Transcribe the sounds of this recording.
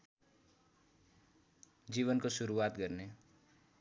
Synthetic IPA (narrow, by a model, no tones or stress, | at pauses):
d͡ʒiːʋənkosʊɾuaːt̪kəɾne